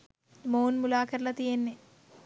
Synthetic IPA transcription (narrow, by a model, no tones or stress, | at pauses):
moːnmulaːkʰɐɾlɐt̪ijenːe